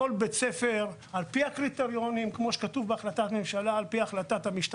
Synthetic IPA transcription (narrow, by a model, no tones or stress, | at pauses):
olbet͡sefeʁ | alpiakʁit̪eʁjo̞nimkmo̞ʃe̥katuvbeaχlat̪at̪memʃalaːlpiaχlat̪at̪hamiʃt